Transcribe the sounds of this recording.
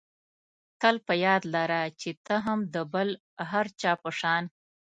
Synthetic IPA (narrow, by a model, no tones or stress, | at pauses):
t̪əlpəjɑd̪laɾat͡ʃet̪aɦamd̪əbəl | ɦaɾt͡ʃɑpəʂɑn